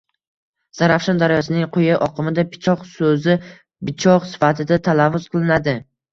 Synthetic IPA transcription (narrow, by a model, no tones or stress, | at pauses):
z̥aɾafʃand̪aɾjɒsɪnɪŋqʰojaʔɒqʰɨmɪd̪apʰɪ̥t͡ʃʰɒqsɵzɪ | bɪt͡ʃʰɒqsɪ̥fat̪ʰɪd̪at̪ʰalavːʊz̥qʰɨlˠɪnad̪ɪ